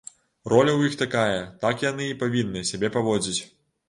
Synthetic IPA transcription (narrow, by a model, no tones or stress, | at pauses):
rɔlʲɐwjixt̪akajɐt̪akjanɨːpavʲinːɨsʲabʲɛpavɔd͡zʲit͡sʲ